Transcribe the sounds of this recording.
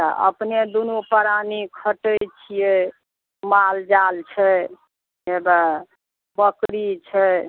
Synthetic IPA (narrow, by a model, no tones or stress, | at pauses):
t̪əʔə̰pned̪unupəɾanikʰəʈət͡ʃʰije | mald͡ʒalt͡ʃʰɛ | eba | bəkɾit͡ʃʰɛ